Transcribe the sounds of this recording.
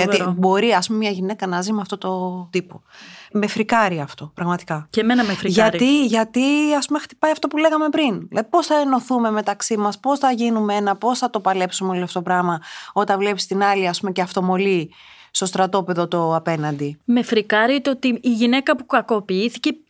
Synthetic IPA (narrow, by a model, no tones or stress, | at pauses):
ʝɐt̪ibo̞ɾiɐspume̞mɲɐʝine̞kɐnɐzimeɐft̪o̞t̪o̞t̪ipo̞me̞fɾikɐɾiɐːft̪o̞pɾɐɣmɐt̪i̥kɐcemenɐmefɾiʝɐɾiʝɐt̪iɐspume̞xt̪ipɐiɐft̪o̞pule̞ɣɐme̞pɾinlɐðipo̞sθɐeno̞θume̞me̞t̪ɐksimɐspo̞sθɐʝinumee̞nɐpo̞sθɐt̪o̞pɐle̞psumeolɐfooopɾɐmɐo̞t̪ɐnvle̞pi̥st̪inɐliɐspumeceɐft̪o̞mo̞li | st̪o̞st̪ɾɐt̪o̞pe̞ðo̞t̪o̞ɐpe̞nɐnd̪ime̞fɾikɐɾit̪eot̪iːʝine̞kɐpukɐko̞piiθice